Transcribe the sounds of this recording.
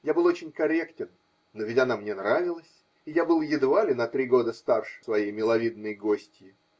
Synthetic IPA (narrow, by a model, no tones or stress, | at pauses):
jabɨlˠot͡ɕɪnʲkɐɾʲektʲɪnː | ovʲɪtʲɐnamnʲenɾavʲɪlˠəsʲ | ɪjabɨlˠjɪd̪valʲɪnɐt̪ɾʲiɡo̞d̪əst̪arʂsvɐjejmʲɪlˠɐvʲid̪̚nɨjɡo̞sʲtʲjɪ